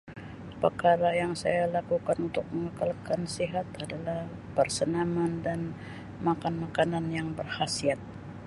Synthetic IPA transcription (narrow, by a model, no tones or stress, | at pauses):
pərkaɾajaŋsa̰jalakukanunt̪ʊk̚məŋəkalkansiɦat̪adalah | pərsənamandan | makanmakananjaŋbərhasiat̪̚